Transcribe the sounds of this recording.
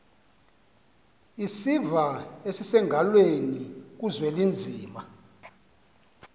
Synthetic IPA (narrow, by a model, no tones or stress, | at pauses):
isivaesisɛŋʱalwenik̬uzwɛlind͡zʱiːma